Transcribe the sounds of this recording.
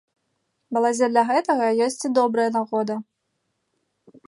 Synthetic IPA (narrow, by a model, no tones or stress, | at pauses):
mɐlˠad͡zʲɛd̪lʲɐɣɛt̪ɐɣɐjɔsʲt͡sʲid̪ɔbɾɐjɐnaɣɔd̪ɐ